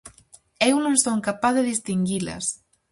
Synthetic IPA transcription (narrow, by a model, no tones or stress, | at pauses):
ewnõnsoŋkapaððeðist̪iŋɡilɐ̰s